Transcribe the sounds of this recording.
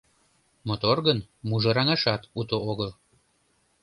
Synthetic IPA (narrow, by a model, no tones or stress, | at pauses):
mot̪orɣənmuʒɤɾɑŋɑʃɑt̪ut̪ooɣəl